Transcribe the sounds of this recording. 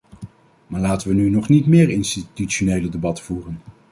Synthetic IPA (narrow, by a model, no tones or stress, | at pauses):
maːɹlaːtənʋənynɔχnitmɪːɹɪnstityt͡ʃonejlədebɑtfuːrən